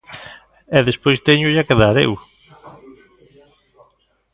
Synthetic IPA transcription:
ɛðespojst̪eɲʊʎakeðaɾḛw

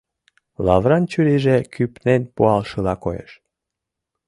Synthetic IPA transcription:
lɑβɾɑnt͡ɕyɾiʒekypnenpuɑlʃɤlɑkojḛʃ

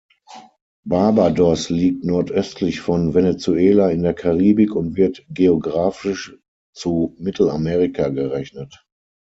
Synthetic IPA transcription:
baɐbadɔsliːk̚tnɔɐtʔœstʰlɪçfɔnvenet͡sueːlaɪndeːɐkʰaʁiːbɪkʊntv̥ɪɐtɡ̥eoɡʁaːfɪʃ | t͡sumɪtʰl̩ameːʁɪkʰaɡəʁɛçnət

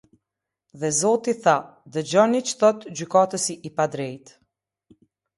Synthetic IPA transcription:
ðɛzɔt̪iθad̪əd͡ʑɔnit͡ʃθɔt̪d͡ʑykat̪əsiʔːpad̪ɾɛjt̪

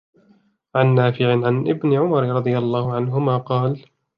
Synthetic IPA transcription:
ʕanːaːfɪʕɪʕanʔɪbnɪʕʊmɑɾˤɾˤɑd̪ˤɨjalˤːaːhʊʕanɦʊmaːqɑːl

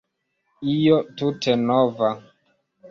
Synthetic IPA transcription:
ijotutenova

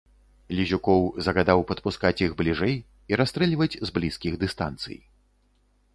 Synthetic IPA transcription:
lʲizʲukɔwzɐɣad̪awpɐt̪̚puskat͡sʲjiɣblʲiʐɛj | iɾast̪ɾɛlʲivɐt͡sʲzblʲiskʲiɣd̪ɨst̪a̰nt̪sɨ̰j

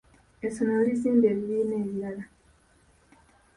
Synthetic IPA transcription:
esonolisiːmbeːβiɾiːneːβijala

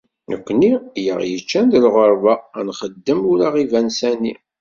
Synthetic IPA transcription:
nəkʷːnijə̰ʁjət͡ʃːænd̪əlʁəɾˤvanχəd̪ːəmuɾaʁivænsæni

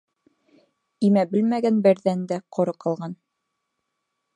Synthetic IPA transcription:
imæbɘlmæɡænbɘ̆ɾðænd̪æqʰŏɾɤqɑlˠʁɑn

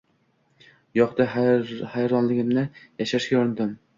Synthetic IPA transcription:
jɒqd̪ahajɾɒnlɪɡʲɪmnɪjaʃaʃɡʲaoɾnd̪ɪm

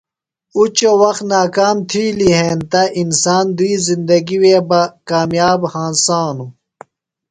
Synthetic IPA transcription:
ut͡ɕowɐxt̪naːkaːmt̪ʰiːliɦeːnt̪ɐʔinsaːnd̪uiːzind̪ɐɡiweːbɐkaːmjaːbhãːnsaːnu

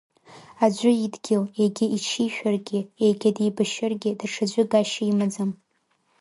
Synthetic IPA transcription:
ad͡ʒʷʊidɡʲɪleɡʲɪit͡ʃʰiʃᶣarɡʲɪejɡʲɪdijbɨʃɪrɡʲɪdaʈ͡ʂʰad͡ʒʷʊɡaʃaimad͡zɨm

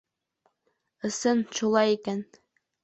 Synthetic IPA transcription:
ɤ̆sɤnʃulˠɑjikæn

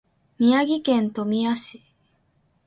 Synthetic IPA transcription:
mʲiaɡʲikẽ̞nt̪o̞mʲiaɕi̥

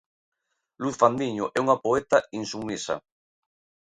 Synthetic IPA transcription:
luθfand̪iɲoʔɛuŋapoet̪ainsuŋisa̰

